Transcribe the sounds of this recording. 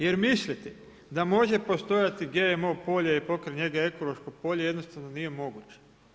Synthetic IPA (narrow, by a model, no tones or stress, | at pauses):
je̞ɾmislʲit̪ɛ | d̪amo̞ʒe̞po̞st̪o̞jat̪iɡeemo̞po̞ʎeipo̞kɾeɲe̞ɡae̞ko̞lˠo̞ʃkopo̞ʎeje̞d̪nost̪aʋnonije̞mo̞ɡut͡ɕe̥